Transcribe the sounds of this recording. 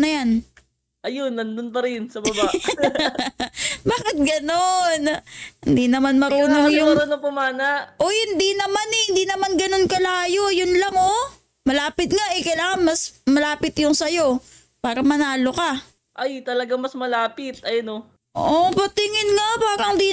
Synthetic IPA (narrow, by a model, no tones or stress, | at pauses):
nɐjan | ʔɐjonːɐnd̪ʊnpɐɾɪnsɐbɐba | baːkɪt̪̚ɡɐnonhɪnd̪inɐmanmɐɾuːnoŋjʊɐɾuːnoŋpʊmaːnaʔʔo̞hɪnd̪inɐmanɛhɪnd̪inɐmanɡɐnonkɐlaːjojʊnlɐŋo̞ | mɐlaːpɪt̪̚ŋaʔɛkɐjlaːŋɐŋmɐsmɐlaːpɪt̪jʊŋsɐjo̞ | paːɾɐmɐnaːloka | ʔajt̪ɐlɐɡaŋmɐsmɐlaːpɪt̪̚ɐjɐno | oʔopɐt̪ɪŋɪnŋapaːɾɐŋnd̪i